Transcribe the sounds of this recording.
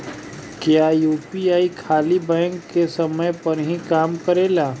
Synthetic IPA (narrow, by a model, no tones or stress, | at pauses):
kjaːjuːpiaːikʰaːlibɛ̃ːŋkːesɐməjpɐɾɦĩkaːmkəɾeːlaː